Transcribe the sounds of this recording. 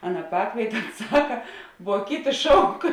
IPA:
ˈɑːˌnɐ ˈpɑːkʋʲiɛtʲeː ˈoːns ˈsɑːkɐ ʋuɔ ˈkʲɪˌtʲɪ ˈʃɐʊk

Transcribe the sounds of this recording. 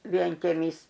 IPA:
ʋʲiɛŋʲkʲɛˈmʲiːs

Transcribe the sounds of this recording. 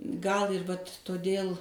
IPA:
ɡɐlˠ ɪr ʋɐtʲ toːˈdʲeːlˠ

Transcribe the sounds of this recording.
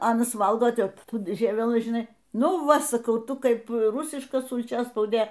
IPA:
ˈɑːnɐs ˈʋɐlˠɡoːˈtʲɛp ˈtuː ˈʒʲiɛʋʲɛlˠɨ ʒʲɪˈnɐɪ ˈnʊ ˈʋɐ sɐˈkɐʊ ˈtʊ ˈkɐɪp ˈrʊsʲɪʃkɐ sʊlʲˈt͡ʃʲæːspɐʊdʲeː

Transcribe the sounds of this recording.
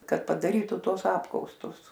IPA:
ˈkɐt pɐdɐˈrʲiːtʊ ˈtuɔs ˈɑːpkɐʊstʊs

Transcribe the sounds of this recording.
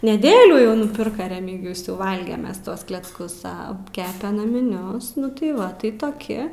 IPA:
nʲɛˈdʲeːlʲuː jɛʊ nʊˈpʲɪrkɐ rʲɛmʲɪɡʲɪjʊs jɛʊ ˈʋɐlʲɡʲɛm ˈmʲɛs ˈtuɔs klʲɛt͡sˈkʊs ˈɐ ˈkʲæːpʲɛ nɐmʲɪˈnʲʊs ˈnʊ tɐɪ ˈʋɐ tɐɪ toːˈkʲɪ

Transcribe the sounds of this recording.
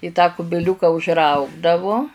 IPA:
ɪ ˈtɑː kʊbʲɪˈlʲuːkɐ ʊʒˈrɐʊɡdɐʋʊ

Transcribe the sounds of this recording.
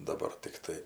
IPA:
dɐˈbɐr tʲɪkˈtɐɪ

